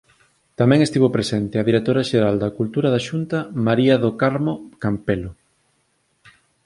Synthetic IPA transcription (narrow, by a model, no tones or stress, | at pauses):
t̪amɛ̃ŋest̪iβopɾesɛnt̪ɪɐðiɾek̚t̪oɾɐʃeɾald̪ɐkult̪uɾɐðaʃunt̪ɐmaɾiɐðokaɾmokampelo